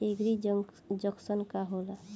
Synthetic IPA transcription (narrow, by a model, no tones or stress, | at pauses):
eɡɾi | d͡ʒəksənkaɦola